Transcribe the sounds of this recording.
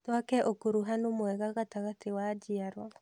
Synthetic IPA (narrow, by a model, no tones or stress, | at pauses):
twakɛʔokoɾuɦanomwɛɣaɣataɣatewad͡ʒiaɾwa